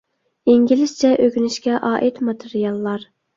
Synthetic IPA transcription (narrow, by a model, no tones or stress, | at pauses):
iŋɡʲilɪst͡ʃʰɛʔøkʲynyʃkʲɛʔɑːʔit̪mɑt̪ʰɨɾijɑlˠːɑɾ